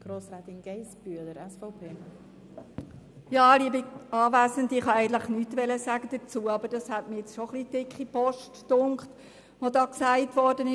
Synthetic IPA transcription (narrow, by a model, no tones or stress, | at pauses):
ɡ̥ɾoːsɾɛt̪ɪnɡ̥ɛɪsb̥yələɾɛsfɔʊpʰeː | jɑːliəbiɑːvæːsəndɪχhɑæɪɡən̩tləχnyːtʋɛləsæːɡ̥əd̥ət͡suːəɑbəd̥ɑshætmɪjɛt͡sʃoχlid̥ɪkχipɔʃtdʊŋkχt | ʋodɑːksæɪtʋɔɾdənɪ